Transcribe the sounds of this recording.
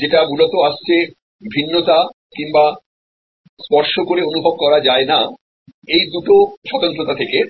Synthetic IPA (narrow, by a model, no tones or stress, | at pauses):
d͡ʑeʈamulot̪oaʃt͡ɕʰe | bʱinːot̪a | kiŋba | spɔɾʃokoɾeonubʱob̚kɔɾad͡ʑaena | ejd̪uʈoʃɔt̪ont̪ɾot̪at̪ʰeke